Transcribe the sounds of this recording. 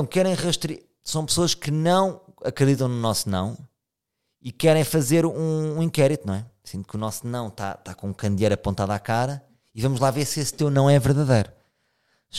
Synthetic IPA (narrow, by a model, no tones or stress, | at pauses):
w̃kɛɾɐ̃j̃ʁɨʃt̪ɾi | sɐ̃w̃pɨ̥soɐʃkɨnɐ̃w̃ | ɐkɾɨðit̪ɐ̃w̃nunɔsnɐ̰̃w̃ | ikɛɾɐ̃j̃fɐzeɾũːĩkɛɾit̪unɐ̃w̃ɛsĩnt̪ukunɔsnɐ̃w̃t̪a̰t̪akõũkɐ̃nd̪jɐjɾɐpõnt̪aðakaɾɐ | ivɐmuʒlˠaveɾsest̪ewnɐ̃w̃ɛvɨɾðɐðɐjɾu